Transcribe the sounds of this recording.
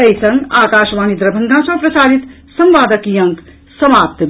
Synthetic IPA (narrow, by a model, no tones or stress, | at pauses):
ɐjsɐ̃ŋɡaːkaːʃʋaːnid̪ɾɐbʱɐŋɡʱãsɐ̃pɾɐsaːɾit̪ | sɐmʋaːd̪əkjɐŋk | sɐmaːp̚t̪